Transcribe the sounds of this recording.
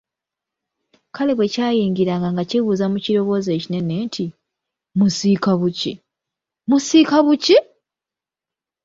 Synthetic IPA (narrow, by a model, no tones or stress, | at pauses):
kʰaleβwe̞caːjiːŋɡiɾaːŋɡaŋɡaciβuːzamuciɾo̞βo̞ːze̞ːcine̞nentʰi | musiːkaβuci | musiːkaβuci